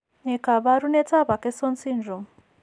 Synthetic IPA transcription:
ne˨ka˨βa˦ɾu˦ne˦t͡sa˦βa˨ke˦so˦nsi˦nʐo˨m

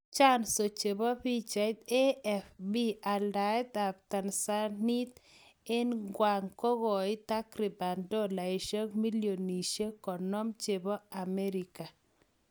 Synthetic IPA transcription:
t͡ʃa˦nso˨t͡ʃe˨bɔ˦pi˦t͡ʃa˨jt̪e˦ɛfbi˦a˨lda˨ɛ˦t̪a˨p̚t̪a˨nsa˦ni˦t̪ɪ˦nɡwa˨ŋkɔ˦ɣɔ˨ɪ˦t̪a˦kɾi˨ba˨ndɔ˦la˨i˨ʃə˦kmi˦ljo˨ni˨ʃe˦kɔ˨nɔ˦mt͡ʃe˨bɔ˦a˨me˦ɾika˨

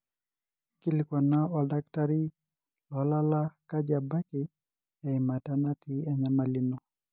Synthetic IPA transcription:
ki˦li˨kɔ˨na˦ɔ˨da˦k̚ta˦ɾi˦ | lɔ˨˦la˦la˦ka˦d͡ʒa˨ba˦ki˨ | a˨ima˨ta˦na˦ti˦a˨ɲa˦ma˨li˦no˨

